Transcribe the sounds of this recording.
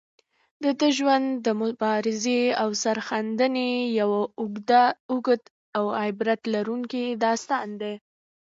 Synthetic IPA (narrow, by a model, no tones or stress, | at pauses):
d̪əd̪əʒwand̪ːəmʊbɑɾɪzeawsaɾxand̪ənejawaʊɡd̪aʊɡəd̪ | awaɪbɾat̪laɾuŋkid̪ɑst̪ɑnd̪e